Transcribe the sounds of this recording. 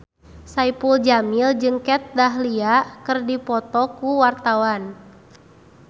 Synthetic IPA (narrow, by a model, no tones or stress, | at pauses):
saipuld͡ʒamild͡ʒɨŋkɛt̪̚daɦliakɨrdipɔt̪ɔkuwart̪awan